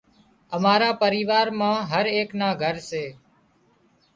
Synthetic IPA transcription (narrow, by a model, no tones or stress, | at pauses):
əmaːɾaːpəɾiːʋaːɾmãːɦəɾeːknaːɡʱəɾseː